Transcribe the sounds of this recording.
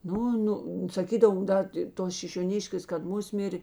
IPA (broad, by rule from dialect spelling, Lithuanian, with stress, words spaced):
ˈnʊ ˈnʊ sɐˈkʲiːdɐʋoː ˈdɐ tʲɪ ˈtoːs ʃʲɪʃʲoːˈnʲɪʃʲkʲeːs kɐt ˈmʊsʲmʲɪrʲ